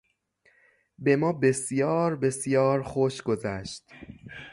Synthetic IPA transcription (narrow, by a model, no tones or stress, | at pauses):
be̞mɒːbe̞sjɒːɾbe̞sjɒːɾxoʃɡo̞zæʃt̪